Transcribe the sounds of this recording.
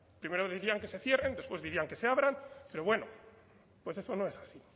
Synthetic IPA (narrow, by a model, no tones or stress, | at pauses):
pɾime̞ɾoðiɾiaŋke̞se̞θje̞re̞nd̪e̞spwe̞zðiɾiaŋke̞se̞aβɾanpe̞ɾo̞βwe̞no̰ | pwe̞s̬e̞so̞no̞e̞sasi